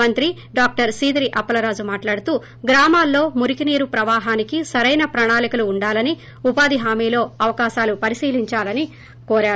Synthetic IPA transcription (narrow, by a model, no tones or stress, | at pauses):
ɐnt̪ɾi | ɖaːk̚ʈɐɾsiːd̪ɾiʔɐpːɐlɐɾaːd͡ʒumaːʈlaːɽut̪uː | ɡɾaːmaːlːo̞ːmuɾikiniːɾupɾɐʋaːɦaːnikisɐɾɐjnɐpɾɐɳaːlikɐluːɳɖaːlɐni | upaːd̪iɦaːmiːlo̞ːɐʋɐkaːʃaːlupɐɾisiːliɲt͡ʃaːlɐni | koːɾaː